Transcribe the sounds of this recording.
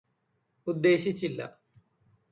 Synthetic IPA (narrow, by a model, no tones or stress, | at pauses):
ud̪ːe̞ːɕit͡ɕːilːɐ̰